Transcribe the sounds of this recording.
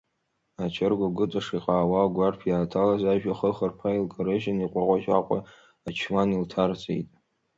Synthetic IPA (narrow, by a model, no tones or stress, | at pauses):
at͡ʃʰɪrɡʷaɡʷɨt͡sʼaʂiqʼaːwaɡʷarpʰjaːtʰalazaʒᶣaχəχərpʰailkʼoɾeʒaniqʷʼaqʷʼaʒa̰qʷʼa̰ | at͡ʃʰmaniltʰart͡sʼḛjtʼ